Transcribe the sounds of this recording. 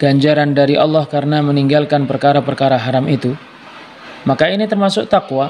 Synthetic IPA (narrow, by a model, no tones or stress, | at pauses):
ɡ̥aɲd͡ʒaɾandaɾiʔɑlːahkaɾənaməniŋɡalkanpərkaɾapərkaɾaɦaɾamit̪u | makainit̪ərmasʊk̚t̪akwa